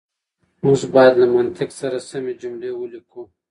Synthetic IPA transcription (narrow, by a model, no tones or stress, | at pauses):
ũsbɑjd̪lɐmɐnt̪ʰɪksɐɾasɐmed͡ʒumlewolikʰũ